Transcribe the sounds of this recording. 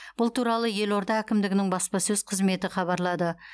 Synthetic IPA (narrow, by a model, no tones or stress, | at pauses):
b̥ʊlˠt̪ʰuɾɑlˠəje̞lo̞ɾd̪ɑækʲɪmd̪ɪɡʲɪnɪŋbɑspɑsɵzqʰəzme̞t̪ɪχɑβɑɾlˠɑd̪ə